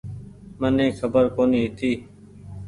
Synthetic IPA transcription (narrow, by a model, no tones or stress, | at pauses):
mənẽːkʰəbəɾkoːnĩːt̪ʰiː